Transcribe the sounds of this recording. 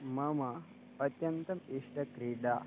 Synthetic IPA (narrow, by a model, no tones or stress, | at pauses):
mɐmɐː | t̪jɐnt̪ɐmiʂʈɐkɾiɖa